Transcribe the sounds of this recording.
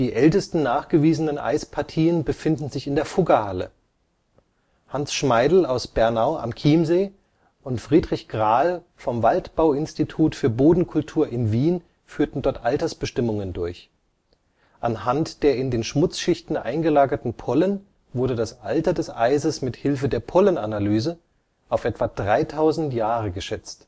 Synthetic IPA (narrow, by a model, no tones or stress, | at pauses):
d̥iːʔɛltəstn̩naːχɡ̥əviːzənənʔa̰ɪspʰaɐtʰiːənbəfɪndn̩zɪçɪndeːɐfʊɡɐhalə̰ | hansʃmaɪdl̩aʊsb̥ɛɐnaʊʔa̰mkʰiːmzeː | ʔʊntfʁ̥iːdʁɪçɡ̥ʁaːl | fɔmvaltb̥aʊɪnstitʰuːtfyːɐboːdn̩kʰʊltʰuːɐʔɪnviːn | fyːɐtn̩dɔɐtʔaltɐsb̥əʃtɪmʊŋəndʊɐç | ʔanɦantd̥eːɐɪndeːnʃmʊt͡sʃɪçtn̩ʔa̰ɪnɡəlaːɡɐtn̩pʰɔlən | vʊɐdədasʔa̰ltɐdɛsʔaɪzəsmɪthɪlfədeːɐpʰɔlənanalyːzə | ʔaʊfʔɛtv̥ad̥ʁaɪtʰaʊzn̩tjaːʁəɡəʃɛt͡st